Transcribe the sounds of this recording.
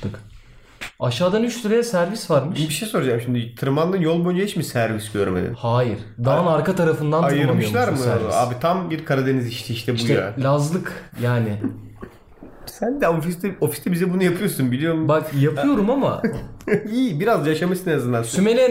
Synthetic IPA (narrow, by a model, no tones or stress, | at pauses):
ɯk | aʃaːd̪anyt͡ʃsyɾejɛsæɾvisvaɾmɯʃbiʃejso̞ɾud͡ʒamʃimd̪it̪ʰɯɾmanlˠɯnjo̞lˠbojnd͡ʒeɦit͡ʃmisæɾvisɟøɾmḛd̪ḭnhaːjiɾ̥d̪anaɾkat̪ʰaɾafɯnd̪anajɯɾmɯʃlˠaɾmɯala̰ːbit̪ʰambiɾkʰaɾad̪e̞niziʃt̪ʰɛiʃt̪ʰɛbujalʲazlˠɯkjaːnɪ | sænd̪ɛofist̪ɛofist̪ʰɛbizɛbunujapʰɯjo̞sunbilʲijo̞ɾmubakjapʰɯjo̞ɾumama̰ | iːbiɾazd̪ajaʃamɯʃsɯneazɯnd̪ansymelʲɛ